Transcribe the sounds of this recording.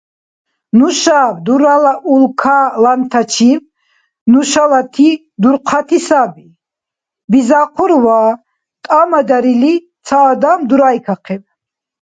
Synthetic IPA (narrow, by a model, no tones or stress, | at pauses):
nuʃabd̪uɾalaʔulkʰalant̪ʰat͡ʃʰim | nuʃalat̪ʰi | d̪uɾqʰat̪ʰisabi | bizaqʰɔɾwa | t̪ʼamad̪aɾilit̪t͡s̪ʰaːd̪amd̪uɾajkʰaqʰɛb